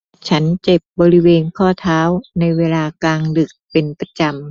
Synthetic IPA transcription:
t͡ɕʰa˦˥nt͡ɕe˨˩p̚bɔː˧ɾi˦˥weː˧nkʰɔː˥˩t̪ʰaː˦˥wna˧jweː˧laː˧kaː˧ŋdɯ˨˩k̚pe˧npa˧t͡ɕa˧m

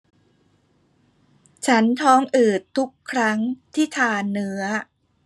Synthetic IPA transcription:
t͡ɕʰa˦˥nt̪ʰɔː˦˥ŋʔɯː˨˩t̪ʰːu˦˥kʰːɾa˦˥ŋt̪ʰiː˥˩t̪ʰaː˧˩nːɯ˦˥ɐ

